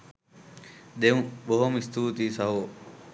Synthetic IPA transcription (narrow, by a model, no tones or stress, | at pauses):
ɗ̪eũɓoɦomɪst̪uːt̪iːsaɦoː